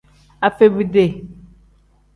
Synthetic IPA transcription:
a˨fe˦bi˦de˦˨

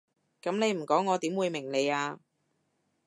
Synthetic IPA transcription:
kɐ˨˥mne˨˧jm̩˨˩kɔː˨˥ŋːɔː˨˧t̪iː˨˥mwuː˨˧jmɪ˨˩ŋle˨˧jaː˧

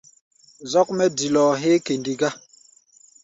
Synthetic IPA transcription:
zɔ˦k̚mɛ˦di˨lɔ˨ɦe˦ke˨ndi˨ɡa˦

